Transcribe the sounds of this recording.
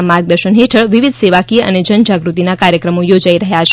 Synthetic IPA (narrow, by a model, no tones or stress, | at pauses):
maɾɡ̚d̪əɾʃənɦeʈʰəɭʋiʋid̪seʋakiə̰ned͡ʒənd͡ʒaɡɾut̪inakaɾjəkɾəmojod͡ʒaiɾəɦjat͡ʃʰ